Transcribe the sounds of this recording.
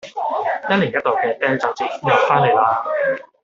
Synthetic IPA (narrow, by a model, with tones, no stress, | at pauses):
jɐ˥t̚liː˨˩njɐ˥t̚t̪o˨˩kɛː˧t̪ɛː˥ŋt͡saː˨˩p̚t͡siː˨˩kːjɐ˨˧˩faː˥nle˨˩jlaː˧